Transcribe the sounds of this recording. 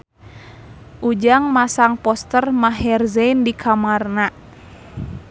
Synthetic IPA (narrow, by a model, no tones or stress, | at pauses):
ʔud͡ʒaŋmasaŋpɔst̪ərmaɦɛrzɛindikʰamarna